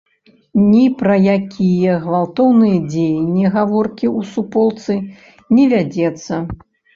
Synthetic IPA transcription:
nʲipɾɐjakʲʰijɐɣvalˠt̪ɔwnɨjɐd͡zʲejnʲːiɣavɔrkʲiusupɔlˠt̪sɨ | nʲɛvʲad͡zʲɛt̪sːɐ

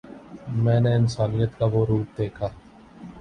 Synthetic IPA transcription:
mɛ̃ːneɪnsaːnijət̪kaʋoːɾuːʈ̚d̪eːkʰaː

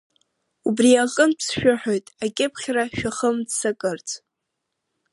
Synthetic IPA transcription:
ubriaqʼənpʰsʃᶣʊħᶣojtʼakʲʼɪpʰχʲraʃᶣaχəmdsakʼɨrt͡sʰʼ

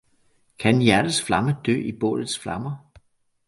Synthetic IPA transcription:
kʰænjæɐɾ̥əsflɑ̈məd̥ø̰ːib̥ɔ̰̽ːlð̩ˠsflɑ̈mɐ

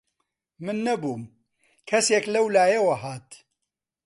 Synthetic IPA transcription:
mɨnːɐbuːm | kʰɐseːklɐwlaːjewɐɦaːt̪

